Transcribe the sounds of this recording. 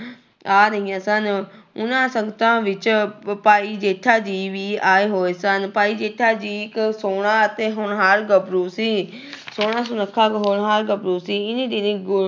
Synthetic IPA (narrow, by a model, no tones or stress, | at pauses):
aːɾəɦĩjãːsənʊnãːsəŋɡət̪ãːʋɪt͡ʃpaːiːd͡ʒeːʈʰaːd͡ʒiːʋiːaːeːɦoːeːsənpaːiːd͡ʒeːʈʰːaːd͡ʒiːɪksoːɽãːət̪eːɦʊɳɦaɾɡəbɾuːsiː | soːɽãːsʊnəkʰːaːkɦoɳɦəɾɡəbɾuːsiːɪnẽːd̪ɪnẽːɡ